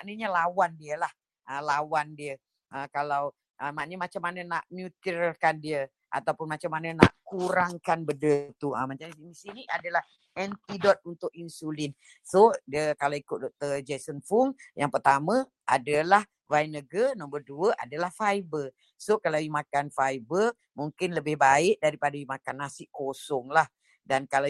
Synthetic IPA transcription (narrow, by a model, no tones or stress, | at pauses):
maʔnəɲalawandiəlah | əlawandiə | ʔəkalaw | ʔəmaʔnəmat͡ʃamːanənaʔmut̪ərkandiə | ʔa̰t̪awpʊnmat͡ʃamːanənaʔkuɾaŋkanbədət̪uəmat͡ʃainisiniʔadalah | ɛnt̪idɔt̪̚unt̪ʊk̚insulin | sodəkalawikʊt̪̚dɔk̚t̪ərd͡ʒɛsənfuŋjaŋpərt̪amə̃ | ʔa̰dəlah | vajnəɡənɔmbərduəʔa̰dalahfajbə | sokalaimãkanfajbər | muŋkɪnləbɪhbaɪʔdaɾipadawimakanːasɪʔkosɔŋlah | dankala